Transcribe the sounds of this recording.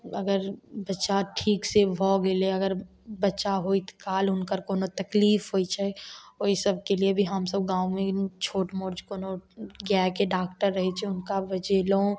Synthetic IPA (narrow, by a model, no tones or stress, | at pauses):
ɐɡəɾbɐtːʃaʈʰiːksebʱɔːɡeleɐɡəɾ | bɐtːʃaɦoɪt̪kaːlʊnkəɾkoːnot̪ɐkliːfɦoːit͡ʃʰɛoːisɐb̚keliebʱiɦɐmsəb̚ɡãːumẽt͡ʃʰoːʈmoːɾd͡ʒkoːnoɡɛːkeɖaːkʈəɾːɐɦet͡ʃʰeʊnkabɐd͡ʒeːlõ